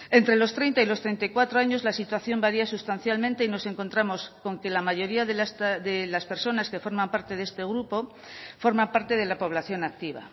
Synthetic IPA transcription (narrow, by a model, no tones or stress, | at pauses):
e̞nt̪ɾe̞lo̞st̪ɾejnt̪ailost̪ɾe̞nt̪ajkwat̪ɾo̞aɲo̞zlasit̪waθjo̞mbaɾiasust̪an̟θjalmẽnt̪e̞ino̞se̞ŋko̞nt̪ɾamo̞sko̞ŋke̞lamaʝo̞ɾiaðelasðelaspe̞ɾso̞naske̞fo̞ɾmãmpaɾt̪e̞ðe̞st̪e̞ɣɾupo̞ | fo̞ɾmampaɾt̪e̞ð̞e̞lapo̞β̞laθjo̞nak̚t̪iβ̞a̰